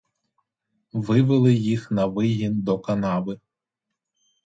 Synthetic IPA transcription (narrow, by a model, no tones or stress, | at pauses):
ʋɪʋɪlˠɪjixnɐʋɪɦind̪ɔkɐnɑbɪ